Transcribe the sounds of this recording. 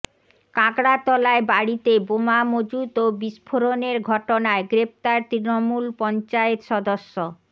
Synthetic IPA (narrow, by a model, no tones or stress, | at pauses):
kãɡɽat̪ɔlaebaɽit̪ebomamod͡ʑut̪obiʃpʰoɾoneɾɡʱɔʈonaeɡɾep̚t̪aɾt̪ɾinomulpɔnt͡ɕaet̪ʃɔd̪oʃːo